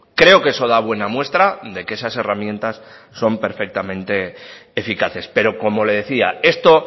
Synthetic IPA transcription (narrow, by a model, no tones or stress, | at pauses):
kɾe̞o̞ke̞so̞ðaβ̞we̞namwe̞st̪ɾaðe̞kee̞sase̞ramje̞nt̪asːo̞mpe̞ɾfe̞k̚t̪amẽ̞nt̪e̞ːfikaθe̞spe̞ɾo̞ko̞mo̞le̞ð̞e̞θiae̞st̪o̞